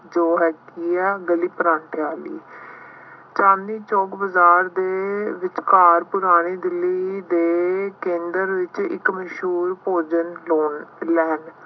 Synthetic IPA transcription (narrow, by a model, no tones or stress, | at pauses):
d͡ʒoːɦɛːkiːɛːɡəliːpɾãːɳʈʰjaːlḭː | t͡ʃãːnd̪iːt͡ʃɔːkbəzaːɾd̪eːʋɪt͡ʃkaːɾpʊɾaːɽ̃eːd̪ɪlːiːd̪eːkẽːnd̪əɾʋɪt͡ʃɪ̰kməʃuːɾpoːd͡ʒənloːnlɛːn